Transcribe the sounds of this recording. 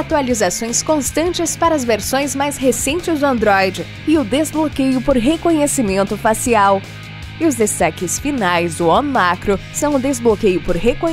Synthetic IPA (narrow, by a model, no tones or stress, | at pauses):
at̪ualizasõj̃skõst̪ɐ̃nt͡ʃɪspaɾɐɐzveɾsõj̃zmajshesẽnt͡ʃɪzd̪ʊɐ̃nd̪ɾɔjd͡ʒɪ | ɪʊd̪ezblokejʊpoɾɦekõɲesimẽnt̪ʊfasiaw | ɪʊzd̪est̪akɪsfinajzd̪ʊõnmakɾosɐ̃w̃ʊd̪ezblokejʊpoɾɦekõ